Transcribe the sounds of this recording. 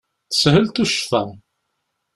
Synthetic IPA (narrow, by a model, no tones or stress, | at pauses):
θə̥shəlt̪uʃfæ